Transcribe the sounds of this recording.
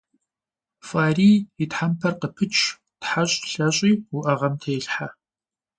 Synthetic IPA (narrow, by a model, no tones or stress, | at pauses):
fʼaːriːjitħampʰɐrqəpʰɨt͡ʃʼʰ | tħaɕʼɬɐɕʼiːwʊʔɐʁɐmtʰeːɬħa